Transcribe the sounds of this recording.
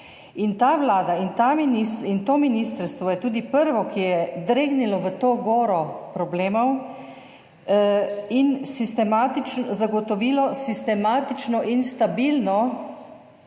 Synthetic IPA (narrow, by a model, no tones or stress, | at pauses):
int̪aːʋlaːd̪aint̪aminisint̪oːminist̪əɾst̪ʋɔjɛt̪uːd̪ipəɾʋɔkijɛd̪ɾeːɡnilɔʋət̪oːɡoːɾɔpɾɔbleːmɔw | insist̪ɛmaːt̪it͡ʃnɔzaɡɔt̪ɔʋiːlɔsist̪ɛmaːt̪it͡ʃnɔʔinst̪abilnɔ